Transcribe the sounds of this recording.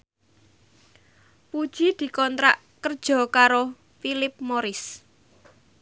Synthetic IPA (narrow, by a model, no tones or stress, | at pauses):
pud̥ʒ̥id̪̥i̤kɔnt̪ɾa̰ʔ | kərd̥ʒ̥ɔ̤kaɾo | filɪp̚moɾɪs